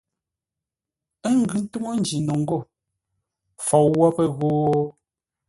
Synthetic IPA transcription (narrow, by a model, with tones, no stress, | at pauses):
ɛ˦ŋ˨ɡʉ˨n̩˦tu˦ŋo˦n̩˨d͡ʒi˨nɔ˨ŋ̩˦ɡo˦˨ | fɔ˨wɔ˦pɛ˦˨ɣoː˦